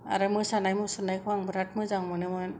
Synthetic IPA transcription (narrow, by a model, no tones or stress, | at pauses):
a̰ɾɯmujsanajmujsunajkʰuaŋbɯɾat̚mujzaŋmɔnɛmɔj